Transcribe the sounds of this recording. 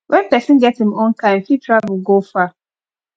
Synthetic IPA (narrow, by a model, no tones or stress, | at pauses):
wʔɛnpɛsɪ̃n̩ɡɛthĩmɔ̃nkãɪ̃m̩fitʰɾavʊlɡofa